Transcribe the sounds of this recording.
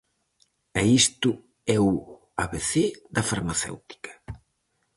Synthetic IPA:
ɐist̪ʊ | ɛu | aβeθeðɐfaɾmaθḛwt̪i̥kɐ̥

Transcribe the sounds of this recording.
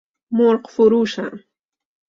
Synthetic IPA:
moɾqfʊɾuːʃa̰

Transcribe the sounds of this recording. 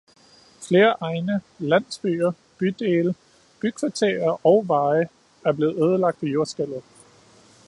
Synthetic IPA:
fle̝ːɐʔɑ̈ɪnə | læn̰sb̥y̰ːɐ | b̥yd̥e̝ːlə | b̥ykʰʋɑ̈t͡sʰeɐʔɒ̽ʊʋɑ̈ɪə | æɐb̥le̝ːð̩ˠøːðˠəlɑ̈ɡ̥̚d̥ʋejo̝ɐsɡ̥el̰ð̞̩ˠ

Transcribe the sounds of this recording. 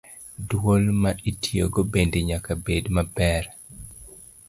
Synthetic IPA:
dwolmaitʰjoɡobendeɲakabedmabɛr

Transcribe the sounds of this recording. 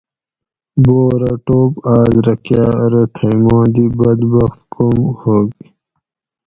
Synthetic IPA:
boːɾɐʈoːpaːzɾɐkjaːɐɾət̪ʰɐjmõːd̪ibɐd̪bɐxt̪komhoɡi

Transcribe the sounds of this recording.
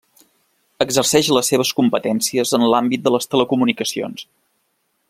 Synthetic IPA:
əɡzərsɛʃləsːeβ̞əskumpət̪ɛnsiəzənlambit̪̚d̪ələst̪ələkumunikəsio̰ns

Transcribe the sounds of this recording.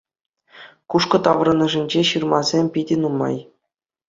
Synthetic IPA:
kuʂkɤ̆t̪ɑʋrɤ̆nɤ̆ʐɘ̆nʲd͡ʑeɕɯrmɑzʲemʲpʲidʲɘ̆numɑ̰j

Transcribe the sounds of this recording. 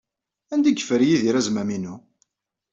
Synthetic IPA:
ænd̪iɡəfəɾjiðiɾæzmæminu

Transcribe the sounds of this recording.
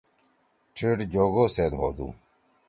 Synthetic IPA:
ʈʰiːʈd͡ʑoːɡoːseːd̪ɦo̰ːd̪ṵː

